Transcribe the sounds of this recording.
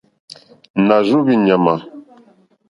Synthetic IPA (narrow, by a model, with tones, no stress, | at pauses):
na˨ʒu˦βi˦˨ɲa˨ma˨